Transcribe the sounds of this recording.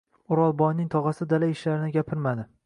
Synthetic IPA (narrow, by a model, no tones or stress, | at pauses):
ʊɾɒlˠbɒjnɪŋt̪ʰɒʁɑsɪd̪alaɪʃlaɾɪnɪɡʲapʰɪɾmad̪ɪ